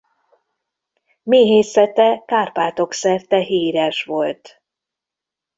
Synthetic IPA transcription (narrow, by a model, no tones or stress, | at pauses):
meːɦeːsɛt̪ɛkaːrpaːt̪o̞ksɛrt̪ɛɦiːɾɛʃʋo̞lt̪